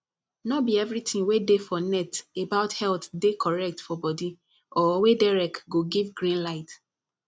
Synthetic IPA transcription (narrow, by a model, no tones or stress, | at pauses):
nɔbiɛvɹitʰĩŋwedefɔnɛtebaʊthɛltdekʰɔɹɛk̚tfɔbɔdi | ɔwedaɹɛkɡoɡivɡɹĩnlaɪt